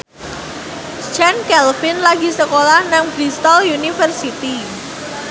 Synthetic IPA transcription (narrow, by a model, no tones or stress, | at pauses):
t͡ʃankɛlfɪnlaɡisəkolahnaŋb̥ɾist̪ɔljunifərsit̪i